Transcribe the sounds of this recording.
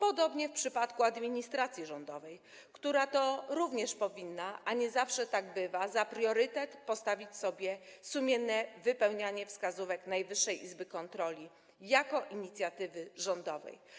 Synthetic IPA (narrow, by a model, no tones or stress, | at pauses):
pɔd̪ɔbɲɛfpʂɘpat̪kuad̪mʲiɲist̪ɾat̪sʲjiʐɔnd̪ɔvɛj | kt̪uɾat̪ɔɾuvɲɛʂpɔvʲinːaʔaɲɛzafʂɛt̪aɡbɘvazapɾjɔɾɘt̪ɛt̪pɔst̪avʲit͡ɕsɔbʲjɛsumʲɛnːɛvɘpɛwɲaɲɛfskazuvɛknajvɘʂːɛjʔizbɘkɔnt̪ɾɔlʲi | jakɔʔiɲit̪sʲjat̪ɘvɘʐɔnd̪ɔvɛ̰j